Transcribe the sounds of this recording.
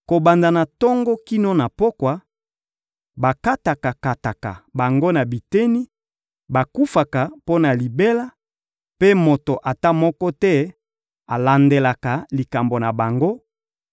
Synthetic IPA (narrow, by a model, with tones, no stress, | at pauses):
ko˨ba˨nda˨na˨tɔ˦ŋɡɔ˦ki˦no˦na˨po˦kwa˨ | ba˨ka˦ta˨ka˨ka˨ta˨ka̰˨ba˨ŋɡo˦na˨bi˨te˦ni˦ | ba˨ku˦fa˨ka˨po˦na˨li˨be˦la˦ | pe˦mo˨to˨ʔa˨ta˦mɔ˦kɔ˦tɛ˦ | a˨la˨nde˨la˨ka˨li˨ka˨mbo˨na˨ba˨ŋɡo˦